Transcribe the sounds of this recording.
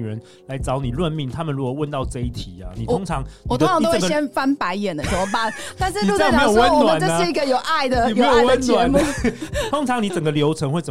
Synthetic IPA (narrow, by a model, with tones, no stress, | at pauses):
ɻə˨˦n | la˧˦ɪt͡sɑ˨˦ʊni˨˩lwə˥˧nmi˥˩ŋt̪ʰa˥mə˨nɻu˧˦˥kɔ˨˩wə˥˧nt̪ɑ˥˧ʊʈ͡ʂɤ˥˧i˥˩t̪ʰi˨˩ɐ˦ni˨˩˧o˥ŋʈ͡ʂʰɑ˧˦ŋwɔ˨˩o˧ɑ˧ŋt̪o˥wə˨˥˩ɡə˧˩jɛ˥nfa˥npa˧˦ɪjɛ˨˩nə˦ɕʰo˧˥wɔ˨˩ba˥˩t̪a˥˧nʂɻ̩˥˧i˨u˥o˨me˦˥jo˨˩wə˦˥˨nwnt͡ɕo˥˧ʂɻ̩˥i˧˥ɡə˨jo˨˩ʊʔa˥˩ɪd̪ə˩i˨m˨e˦˥jo˨˩wə˦nnwa˧˦mu˥˩t̪ʰo˦˥ŋt͡sʰɑ˧˦ŋni˨˦t͡sə˨˩ŋɡə˩ljo˧˥ʊt͡sʰə˧˥ŋwe˥˩t͡sə˨˩